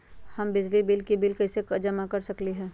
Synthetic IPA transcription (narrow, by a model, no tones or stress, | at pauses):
hɐmbɪd͡ʒlibɪlkibɪlkɐsekd͡ʒɐmakɐɾsɐkliɦɛ̃ː